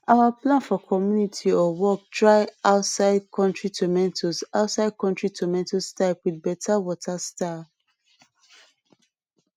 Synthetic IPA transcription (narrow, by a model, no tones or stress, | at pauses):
ʔawaplãnfɔkʰɔmjunitʰiɔwɔk̚dɹaɪʔaʊtsaɪd̚kʰɔ̃ntɹitʰɔmɛ̃ntʰosaʊtsaɪd̚kɔ̃ntɹitʰɔmɛ̃ntostaɪpwid̚bɛtʰawɔtʰasta